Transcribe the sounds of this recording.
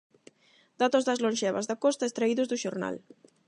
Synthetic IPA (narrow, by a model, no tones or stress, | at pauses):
d̪at̪ozðazlonʲʒɛβa̰zðakɔst̪aest̪ɾaiðuzðuʃoɾna̰l